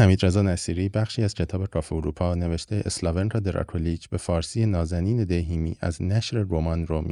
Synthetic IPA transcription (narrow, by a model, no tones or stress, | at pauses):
hæmiːd̪ɾe̞zɒːnæsiːɾiːbæχʃiːæz̥cʰe̞t̪ʰɒːbe̞ɡɒːfeoɾuːpʰɒːne̞veʃt̪ʰe̞ʔeslɒvenɾɑd̪eɾɒ̰kʰolid͡ʒbe̞fɒːɾsije̞nɒːzæniːne̞d̪eɦiːmḭːʔæ̰znæʃɾe̞ɾomɒnɾomḭ